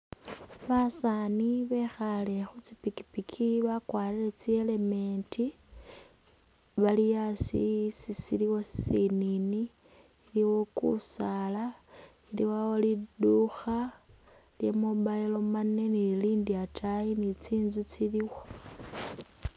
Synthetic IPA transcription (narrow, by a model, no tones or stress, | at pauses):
βasaniβe̞xale̞xut͡sipiki̥pikʰiβakwaːlilet͡sie̞le̞me̞ntʰi | βalijasḭsisiliwo̞si̥sininiː | liwo̞kṵsala | ilḭwawoliduxa | lje̞mobailo̞mane̞niiliːndiatʰajinit͡siːnzut͡siliwo